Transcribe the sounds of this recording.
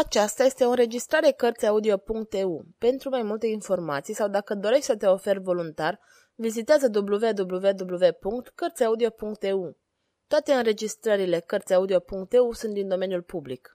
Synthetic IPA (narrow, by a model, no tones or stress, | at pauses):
at͡ʃast̪aje̞st̪e̞o̞ɨnɾe̞d͡ʒist̪ɾaɾe̞kərt̪sʲaud̪io̞puŋk̚t̪eupe̞nt̪ɾumajmult̪e̞info̞rma̰t̪sijsawd̪akəd̪o̞ɾe̞ʃt̪ʲsət̪e̞o̞fe̞rvo̞lunt̪ar | vizit̪eazəd̪ubluve̞d̪ubluve̞d̪ubluve̞puŋkt̪kərt̪sʲaud̪io̞puŋk̚t̪eu | t̪oat̪e̞ɨnɾe̞d͡ʒist̪ɾəɾile̞kərt̪sʲaud̪io̞puŋkt̪eusunt̪d̪ind̪o̞me̞njulpublik